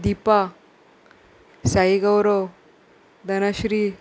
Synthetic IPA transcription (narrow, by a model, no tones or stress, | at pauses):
d̪ipa | saiɡəwɾo | d̪ənaɕɾi